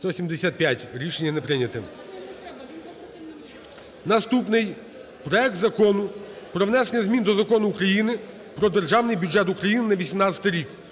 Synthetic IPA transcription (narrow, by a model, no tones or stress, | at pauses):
t̪ɔsʲimd̪esʲat̪̚pʲjatʲɾʲiʃenʲːɐnepɾɪnʲɐt̪ɪ | nɐst̪upnɪj | pɾɔɛk̚t̪zɐkɔnʊpɾɔʋnɛsenʲːɐzʲmʲind̪ɔzɐkɔnʊːkɾɐjinɪ | pɾɔd̪erʒɑwnɪjbʲuʐɛt̪ukɾɐjinɪnɐʋʲisʲimnɑt͡sʲɐt̪ɪjɾʲik